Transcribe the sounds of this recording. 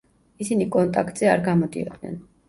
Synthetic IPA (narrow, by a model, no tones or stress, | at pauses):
isinikʼɔnt̪ʼakʰt̪ʼzɛaɾɡamɔd̪ḭɔ̰d̪nɛ̰n